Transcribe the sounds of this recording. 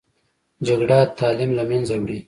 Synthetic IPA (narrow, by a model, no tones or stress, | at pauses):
d͡ʒaɡɽat̪ɑːlɪmlamanzawɽi